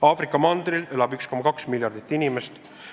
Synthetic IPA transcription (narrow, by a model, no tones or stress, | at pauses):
ɑːfɾikːˑɑmɑnd̪̥ɾile̞lɑbyksko̞mːɑkɑksmilʲjɑrd̪̥it̪ːˑinimest̪